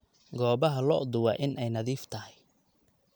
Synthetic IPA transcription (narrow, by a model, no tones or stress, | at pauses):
ɡɔːβɐɦɐlɔ̰ːʔd̪ʊwɑːʔɪnʔɛjnɐðiːft̪ʰɐhɛj